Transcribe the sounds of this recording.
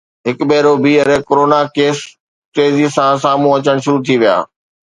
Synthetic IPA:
ɦɪkbɛːɾobiɐɾɛkoɾoːnakeːs | ʈeːzisãsaːm̤ũɐt͡ɕəɽ̃ʃʊɾut̪ʰiʋija̰ː

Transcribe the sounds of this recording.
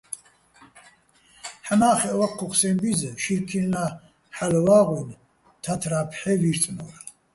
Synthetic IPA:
ħanaːχɛʔwaqʰːuqsɛnbizʃiɾkʰilna | ħalvaːʁwin | t̪ʰat̪ʰɾaːpʰħɛviɾt͡sʼnɔɾ

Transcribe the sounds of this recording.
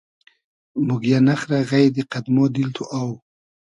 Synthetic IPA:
mʊɡjanaxɾaɣajd̪eqad̪mod̪ilt̪ʰuʔaw

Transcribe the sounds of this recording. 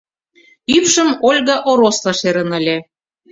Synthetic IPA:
ypʃə̆molʲɣɑʔoɾoslɑʃeɾə̆nə̆lʲĕ

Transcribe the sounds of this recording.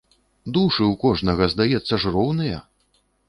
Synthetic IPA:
d̪uʂɨwkɔʐnɐɣɐzd̪ajɛt̪sːɐʐrɔwnɨjɐ̰

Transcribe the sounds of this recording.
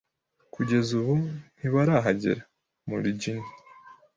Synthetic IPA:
kuɟe̞zuβun̥iβaɾaɦaɟḛɾa | mṵɾiɟini

